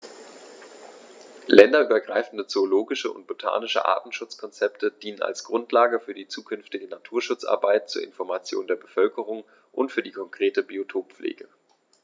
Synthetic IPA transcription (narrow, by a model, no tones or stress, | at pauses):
lɛndɐʔyːbɐɡʁaɪfn̩dət͡soːloːɡɪʃəʊ̰nt̚b̥otʰa̰ːnɪʃə̰ʔa̰ɐtn̩ʃʊt͡skʰɔnt͡sɛptʰəd̥iːnəna̰lsɡ̥ʁʊntʰlaːɡəfyːɐdiːt͡suːkʰʏnftɪɡənatʰuːɐʃʊt͡sʔa̰ɐbaɪt̚t͡suːɐɪ̰nfɔɐmat͡sjo̰ːndeːɐbəfœlkəʁ̞ʊŋ | ʔʊntfyːɐdiːkʰɔŋkʁ̥eːtəbiotʰoːpp͡flʔḛːɡə